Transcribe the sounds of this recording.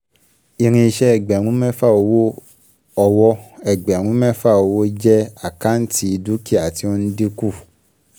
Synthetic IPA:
i˧ɾ̃ĩ˧ʃɛ˦ɛ˨ɡ͡bɛ˨ɾ̃ũ˨˦mɛ̃˦fa˦˨o˧wo˦ | ɔ˧wɔ˦ɛ˨ɡ͡bɛ˨ɾ̃ũ˨˦mɛ̃˦fa˦˨o˧˦wo˦d͡ʒɛ˦a˨ka˦n̩˦ti˧˦i˧du˦ki˦˨a˨ti˧o˦n̩˦de˦ku˦˨

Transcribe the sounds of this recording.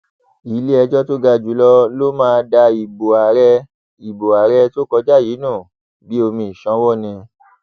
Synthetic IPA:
i˨˦le˦ɛ˧d͡ʒɔ˦to˦ɡa˧˨d͡ʒu˨˦lɔ˦lo˦mãː˦˧da˧i˨bo˨a˨ɾɛ˧ | i˨bo˨a˨ɾɛ˧to˦kɔ˧d͡ʒa˦˨jiː˨˦nũ˦˨ | bi˨˦o˧mĩ˧˨i˨ʃã˨˦wɔ˦˨nĩ˧

